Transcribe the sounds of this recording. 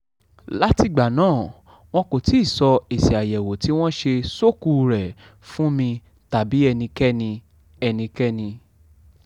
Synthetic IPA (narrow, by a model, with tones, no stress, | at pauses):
la˦ti˧ɡ͡ba˨nãː˦˨ | w̃ɔ̃˦ko˨ti˨˦i˦˨sɔ˧e˨si˨a˨jɛ˨wo˨ti˨˦w̃ɔ̃˦ʃe˧so˦˨ku˨ɾɛ˨ | fũ˦mĩ˧ | ta˨bi˨˦ɛ˧nĩ˧kɛ˦nĩ˧ | ɛ˧nĩ˧kɛ˦nĩ˧